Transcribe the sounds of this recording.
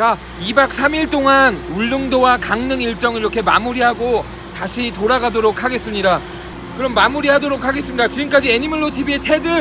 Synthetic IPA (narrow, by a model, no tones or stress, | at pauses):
ka | ibak̚s͈ʰamiɭt͈oŋanuɭːɯŋdowakaŋnɯŋiɭt͡ɕ͈ʌŋɯɾiɾʌkʰe̞ma̰muɾiɦaɡo | taɕʰitoɾaɡadoɾokʰaɡe̞s͈ɯmɲida | kɯɾʌmːamuɾiɦadoɾokʰaɡe̞s͈ɯmɲidat͡ɕiɡɯmk͈ad͡ʑieɲimɯɭːotʰibietʰe̞dɯ